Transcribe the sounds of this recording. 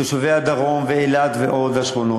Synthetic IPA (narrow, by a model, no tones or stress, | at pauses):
oʃavead̪aʁomveelad̪veʔo̞d̪haʃχono